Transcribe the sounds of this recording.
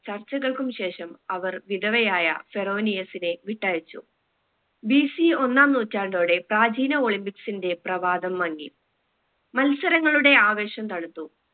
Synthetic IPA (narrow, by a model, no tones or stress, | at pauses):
t͡ɕɐrt͡ɕːɐɣɐɭkumɕe̞ːʂɐmɐʋɐrʋid̪ɐʋɐjaːjɐ̰fe̞ro̞ːnijɐsineʋiʈːaːjit͡ɕːṵ | bisio̞nːaːmnuːtːaːɳɖo̞ːɽe̞praːd͡ʑiːnɐo̞ːɭimpiksinde̞prɐʋaːd̪ɐmːɐŋːḭ | mɐlsɐɾɐŋːɐɭuɽe̞aːʋe̞ːɕɐmt̪ɐɽɐt̪ːu